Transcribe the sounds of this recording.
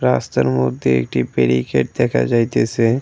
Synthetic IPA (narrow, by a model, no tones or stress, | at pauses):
ɾast̪aɾmod̪ʱːjeḛk̚ʈibeɾikeʈ̚d̪ɛkʰa̰d͡ʒajt̪esʰe